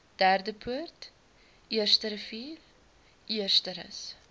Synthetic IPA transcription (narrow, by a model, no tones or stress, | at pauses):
d̥æːrdəpʰuərt | ʔiərstəɾəfiːl | ʔiərstəɾə̰s